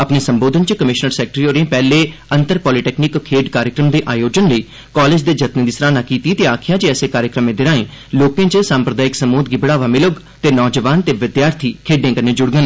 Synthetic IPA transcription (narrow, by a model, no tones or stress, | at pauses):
əpneːsəmboːd̪ʱənt͡ʃəkəmɪʃnəɾsɛːk̚ʈɾioːɾẽːpɛːleːənt̪əɾpɔːliːʈɛːknɪkkʰːeːɖkaːɾjəkɾəmd̪eːʔaːjoːd͡ʒənləiː | kɔːleːd͡ʒd̪eːd͡ʒət̪ned̪ɪsɾaːnaːkiːt̪iːt̪eːaːkʰɪjaːd͡ʒeːɛːseːkaːɾjəkɾəmẽːd̪ɪɾãːẽː | loːkẽːt͡ʃəsãːmpɾəd̪aːɪksəmoːd̪ɡɪbəɽaːʋaːmɪlʊɡ | t̪eːnɔːd͡ʒəʋaːnt̪eːʋɪd̪jaːɾt̪ʰiːkʰeːɖẽːkəɾnẽːd͡ʒʊɽɡən